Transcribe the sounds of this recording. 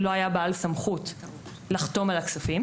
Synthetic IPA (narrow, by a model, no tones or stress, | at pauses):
lo̞ajabaalsamχut | laχt̪o̞malaksafim